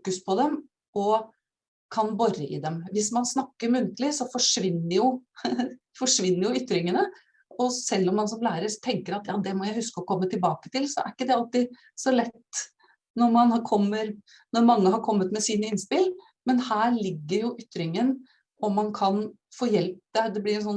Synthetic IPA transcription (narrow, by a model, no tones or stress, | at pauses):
fːkʉspʰɔd̪ɛm | ɔ | kʰɑnbɔɾəʔɪ̰d̪ɛmʋɪsmɑnsnɑkːəɾmʉnt̪əlɪsɔfɔʂʋɪnːəɾjʊ | fɔʂʋɪnːəɾjʊʏt̪ːɾɪŋənə | ɔsɛlːɔmːɑnsɔmlæːɾəɾt̪ʰɛŋkəɾɑt̪jɑːd̪ɛmɔjæɪhʉskəɔkʰɔmːət̪ʰɪlbɑːkə̥t̪ɪlsɔæ̰ɾɪkːəd̪ɛɑlt̪ɪ | sɔlɛtt̪ː | nɔɾmɑnhɑɾkʰɔmːəɾ | nɔɾmɑŋːəɦɑɾkʰɔmːət̪mɛsiːnəɪnspɪl | mɛnhæːɭɪɡːəɾjʊʔʏt̪ːɾɪŋən | ɔmːɑnkʰɑn | foːjɛlp̚d̪ɛd̪ɛblɪɾɛnsɔnː